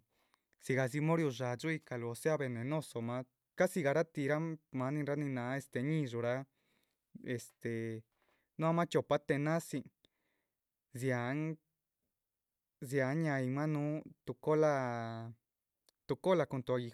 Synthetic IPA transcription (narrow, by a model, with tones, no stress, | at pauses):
si˧ɣa˧zi˧mõ˦ɾju˧ʐa˨ʐu˦i˧ka˧lo˧o˧se˦a˧βe˨nẽ˨nõ˦˧so˨mã˧ | ka˦si˧ɣa˧ɾa˦t̪i˧ɾa˦mã˧˦nĩ˧ɾa˧˦nĩ˧nã˨˦e˧st̪e˨˧ɲĩ˧ʐu˧ɾa˧ | e˧˨st̪e˨ | nũ˦a˧˦mã˦t͡ʃo˨pa˦t̪e˧nã˦si˧ | zja˨˦ŋ | zja˨˦ɲã˧i˧mã˦nũ˦t̪u˧ko˦la˧ | t̪u˧ko˦la˧ku˧t̪u˧a˧ɣi˧